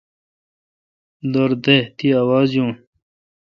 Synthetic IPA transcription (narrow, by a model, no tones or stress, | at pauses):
d̪ɐɾd̪et̪iaːwaːzjũː